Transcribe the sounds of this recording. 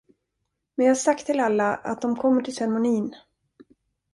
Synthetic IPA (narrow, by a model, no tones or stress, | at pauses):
mɛnjaːhasakt̪ʰːɪlalːaʔa̰t̪̚d̪ɔmkʰɔmːəʈʰɪlsɛɾmʊniːn